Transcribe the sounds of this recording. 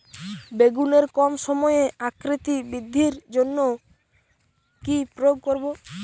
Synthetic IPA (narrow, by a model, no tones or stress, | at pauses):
beɡuneɾkɔmʃɔmɔeakɾit̪ibid̪ʱːiɾd͡ʒonːo | kipɾooɡ̚koɾbo